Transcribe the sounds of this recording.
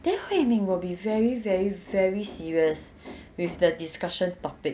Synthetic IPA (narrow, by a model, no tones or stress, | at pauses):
d̥ɛfɛ̃mĩŋwilbivɛɹivɛɹivɛɹisiɹiəs | wifdədiskaʃə̃ntɔpɪk̚